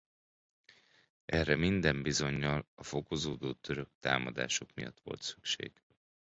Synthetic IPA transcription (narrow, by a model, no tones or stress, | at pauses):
ʔɛrɛmind̪ɛmbizo̞ɲːɒlɒfo̞ko̞zoːd̪oːt̪ø̞ɾø̞kt̪aːmɒd̪a̰ːʃo̞kmijɒ̰t̪ːʋo̞̰lt̪sy̥kʃḛːɡ̥